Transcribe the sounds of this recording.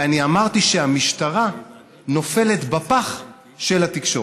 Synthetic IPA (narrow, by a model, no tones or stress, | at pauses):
aniamaʁt̪iʃeamiʃtaʁa | no̞fe̞le̞t̪bapaχ | ʃelat̪ikʃo